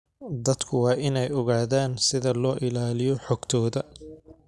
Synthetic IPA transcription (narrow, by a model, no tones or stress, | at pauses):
d̪ɐd̪kʰʊwɑːʔɪnɛjɔɣaːðaːnsɪðɐlɔːʔɪlaːlɪjɔħɔːɡt̪ʰɔːðɐ